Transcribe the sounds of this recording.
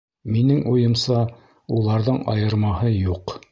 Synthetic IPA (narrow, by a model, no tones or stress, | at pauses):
minɘŋʔujɤ̆msɑ | ulˠɑɾðɤɴɑ̰jɤ̆ɾmɑhɤjuq